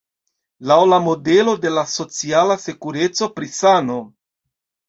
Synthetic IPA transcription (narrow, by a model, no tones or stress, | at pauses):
lawlamo̞de̞lo̞de̞laso̞t͡sialase̞kuɾe̞t͡so̞pɾisano̞